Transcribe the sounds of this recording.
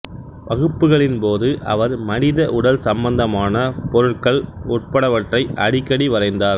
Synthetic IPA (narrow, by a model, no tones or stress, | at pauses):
ʋɐɣɯpːɯɣɐɭɪnpoːðɯʔɐ̰ʋɐɾmɐnɪðɐʔʊɽɐlsɐmbɐnd̪ɐmaːnɐpɔɾɯʈkɐɭɔʈ̚pɐɽɐʋɐʈrɐɪʔɐɽɪkːɐɽiʋɐrɐɪnd̪aːɾ